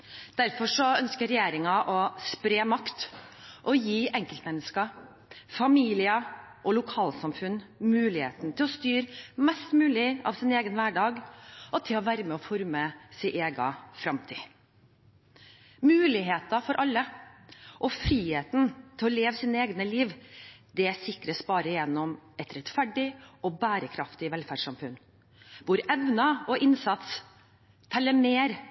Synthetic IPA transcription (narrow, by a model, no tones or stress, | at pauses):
d̪̥æɾfɔʂɔœnskəɾɛjeːɾɪŋɑʔɔspɾeːmɑkt̪ʔɔjiːʔɛŋkəlt̪mɛnːəskɑ | fɑmiːlɪə | ʔɔlʊkʰɑːlsɑmfʉnːmʉːlɪhḛːt̪n̩t̪ʰɪlɔst̪yːɾmɛst̪mʉːlɪɑ̰ʋsɪneːɡənʋæːɖɑːɡɔt̪ʰɪlɔʋæːɾəmɛɔfɔɾməsɪʔeːɡɑ̰fɾɑmt̪ʰḭː | mʉːlɪɦeːt̪ɑfɔɾʔɑlːə | ʔɔfɾiːheːt̪nt̪ʰɪlɔleːʋsiːnəeːɡnəliːʋd̪ɛsɪkɾəsbɑːɾəɪjɛnːɔmɛt̪ɾɛt̪fæɖɪɔbæːɾəkʰɾɑft̪ɪʋɛlfæːɖʂɑmfʉn | ʋʊɾɛʋnɑɔʔɪnsɑt̪s | t̪ʰɛlːəmeːɾ